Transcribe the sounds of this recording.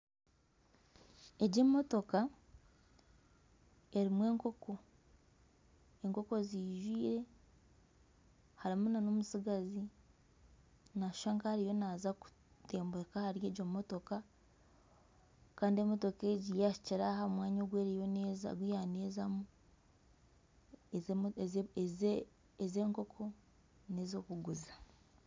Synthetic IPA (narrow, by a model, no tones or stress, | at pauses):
e̞ɟemo̞to̞ka | e̞ɾimwe̞ːŋko̞ko̞ | eŋko̞ko̞ziːʒwiːɾe̞ | haɾimunanomusiɡazi | nḁʃaːŋkahaɾijo̞nazaku̥ | te̞ːmbekahaɾje̞ːɟommoto̞ka | kaːndiemoto̞ke̞ːɟijaʃi̥ciɾaɦamwaːɲoːɡweːɾijoneza̰ɡwijaneːzamu | ezeːŋko̞kʰo̞ | nezo̞ːkuɡuzḁ